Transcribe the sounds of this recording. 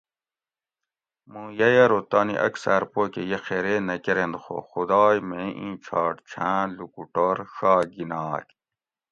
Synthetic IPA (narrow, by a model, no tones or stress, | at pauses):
mũjɐjɐɾot̪aːnḭʔɐ̰ksaɾpoːkejexeɾenɐkeɾẽnd̪xo̰xud̪ɑːjmẽʔĩːt͡ɕʰaːʈt͡ɕʰãːlukuʈoɾʂaːɡinɑːk